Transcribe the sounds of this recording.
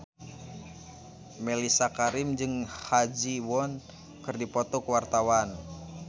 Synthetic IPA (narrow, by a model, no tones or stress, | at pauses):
mɛlisakaɾɪmd͡ʒɨŋhad͡ʒiwɔn | kɨrdipɔt̪ɔkəwart̪awan